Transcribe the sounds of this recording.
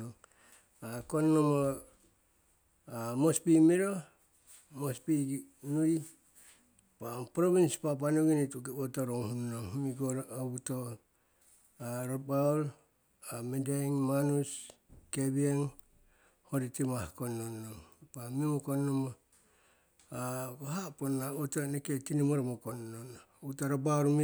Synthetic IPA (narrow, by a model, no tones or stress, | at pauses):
oŋ | akonːomo | amospimiɾo | mospinuj | papɾoβinspap̬anuɡinitukebotoɾoŋhunnoŋhmiɡoɾabuto | ɾabaol | amedajŋmanuskebieŋ | hoɾitimahkonːonːoŋpamimokonoma | aɡoɦaponaotoneketinimoɾmokonːon | utoɾabaoɾmi